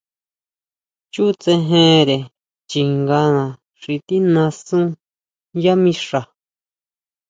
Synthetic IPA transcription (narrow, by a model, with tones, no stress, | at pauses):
t͡ʃu˦˧t͡sẽ˧ɦẽ˦ɾe˨ | t͡ʃi˨ŋɡã˧nã˨ | ʂi˧t̪i˦nã˧sũ˦ | ja˦mĩ˧ʂa˨